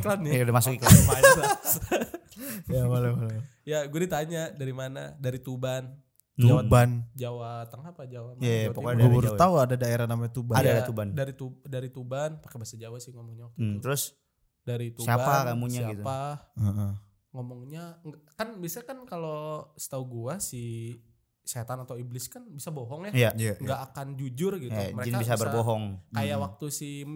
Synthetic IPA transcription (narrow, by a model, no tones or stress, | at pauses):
klandamasʊkiklamaja | jabalabal | jaɡuadit̪aɲadaɾimana̰daɾit̪uban | t̪uawaband͡ʒawat̪aŋapad͡ʒawamjatpoɡubuɾauadadaeɾahnamaɲat̪ubaadadat̪ubandaɾit̪udaɾit̪ubanpḁkebasad͡ʒawasɪhŋomɔŋɲat̪t̪əɾʊs | daɾit̪usiaaakamusɲaɡit̪upaəʔ | ŋomɔŋɲaŋɡakanbisakankalosə̥t̪auɡuasi | set̪anat̪awiblɪskanbisaboɦɔŋjajajaŋɡaʔːkand͡ʒud͡ʒʊrɡit̪uməɾed͡ʒinbis̬abərboɦɔŋkajawak̚t̪usi